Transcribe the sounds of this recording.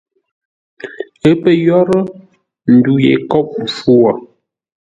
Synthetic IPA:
e˦pə˦jɔ˦ɾə˦ | n̩˨du˨jḛ˨kɔ˦p̚m̩˨fu˦wɔ˨

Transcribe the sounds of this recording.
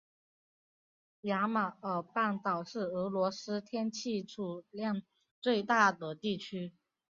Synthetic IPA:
ja˧˥ma˨˩ə˞˨˩pa˥˩nt̪ɑ˨˩ʊʂɻ̩˥˩ɤ˧˥lwɔ˧˥sɹ̩˥t̪ʰjɛ˥nt͡ɕʰi˥˧ʈ͡ʂʰu˥˩ljɑ˥˧ŋ | t͡swe˥˧ɪt̪a˥˩d̪ə˩t̪i˥˩t͡ɕʰy˥

